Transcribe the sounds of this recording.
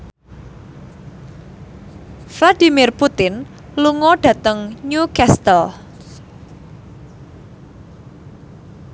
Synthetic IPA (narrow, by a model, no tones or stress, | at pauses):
flad̥i̤mɪrput̪ɪn | luŋɔɖ̥ä̤t̪əŋɲukɛst̪əl